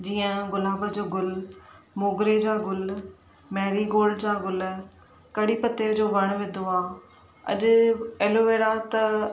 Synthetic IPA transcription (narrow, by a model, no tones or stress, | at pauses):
d͡ʑiːə̃ɡʊlaːbəd͡ʑoːɡʊlmoːɡɾed͡ʑaːɡʊl | mɛːɾiɡoːld͡ʑaːɡʊl | kɐɽipɐt̪ed͡ʑoːʋɐɽ̃ʋɪ̃d̪oaː | ɐ̰ʄʊ̆eːloʋeːɾat̪ɐ